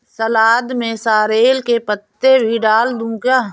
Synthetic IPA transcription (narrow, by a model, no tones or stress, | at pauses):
səlaːd̪mẽsaːɾeːlkepət̪ːebʱiɖaːld̪ũːkaː